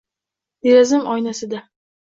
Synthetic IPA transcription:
eɾazɪmɒjnasɪd̪a

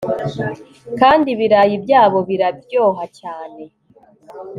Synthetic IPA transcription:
kaːndiβiɾajibjaːβo̞βiɾabjo̞ːɦacaːne̞

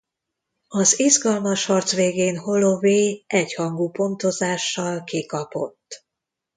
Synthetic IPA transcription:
ɒzizɡɒlmɒʃhɒrt̪sʋeːɡeːnho̞lo̞veːʔɛchɒŋɡuːpo̞nt̪o̞zaːʃːɒlkikɒpo̞̰t̪ː

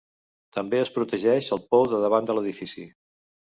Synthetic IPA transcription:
t̪əmbeəspɾut̪əʒɛʃəlˠpɔwðəðəβand̪ələðifisi

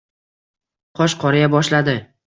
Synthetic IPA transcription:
qʰɒʃqʰɒɾɪjabɒʃlad̪ɪ

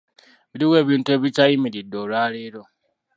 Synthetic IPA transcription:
βiɾiwe̞ːβiːntue̞βitajimiɾidolwaːleɾo̞

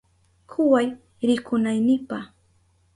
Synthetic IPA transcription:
kʰʊwaj | ɾɪkʊnajnɪpaχ

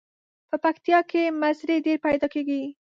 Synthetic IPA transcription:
pəpakt̪jɑkemasɾeɖeɾpajd̪ɑkeɡi

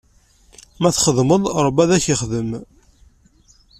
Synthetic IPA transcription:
mæθχəðməðˤɾˤəbæðæçiχðəm

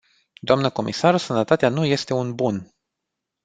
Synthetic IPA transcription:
d̪oamnəko̞mʔisarsənət̪at̪eanuje̞st̪e̞unbun

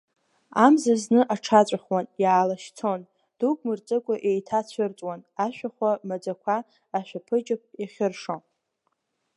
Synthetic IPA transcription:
amzaznɨʔaʈ͡ʂʰat͡ɕʷʼaχwanjaːlaʃt͡sʰon | d̥ukʼmɨrt͡sʼɨkʷʼaʔe̞jtʰat͡ɕʷʰɨrt͡sʼwanaʃᶣaχʷamad͡zakʷʰaː | ʃʷᶣapʰɨd͡ʒʼɪp̚ʰʼiχʲɪrʂon

